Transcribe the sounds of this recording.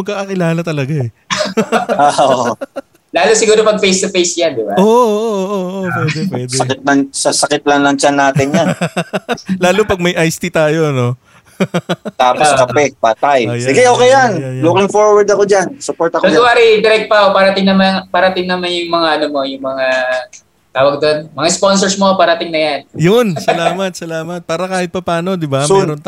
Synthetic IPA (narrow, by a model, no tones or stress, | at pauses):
mɐɡ̚kːaːkɐkɪlaːlɐt̪ɐlɐɡaɛ | o | laːlosɪɡuːɾo̞pɐɡ̚fejst̪ʊfejsjand̪ɪbaoːʔʔoːʔoʔoʔoʔopwɛːd̪ɛpwɛːdɛɐkɪt̪̚lɐŋsɐsɐkɪt̪̚lɐŋlɐŋt͡ʃanːaːt̪ɪnjan | laːlopɐɡ̚mɐjʔajst̪it̪aːjo̞ɐno̞ | t̪aːposkɐpɛpaːt̪ajjsɪɡɛoːkejanjjlukɪŋfoɹwɐɾd̪ɐkod͡ʒansʊpoɾt̪ɐkɐaaːɾid̪ɪɾɛk̚t̪̚pɐkopaɾɐt̪ɪŋnɐmaŋpaɾɐt̪ɪŋnɐmanjʊŋmɐŋaʔɐnomo̞jʊŋmɐŋa | t̪aːwɐɡ̚d̪o̞nmɐŋasponsoɹsmo̞paɾɐt̪ɪŋnɐjanjʊnsɐlaːmɐt̪̚sɐlaːmɐt̪̚paːɾɐkaːhɪt̪̚pɐpaːno̞d̪ɪbanon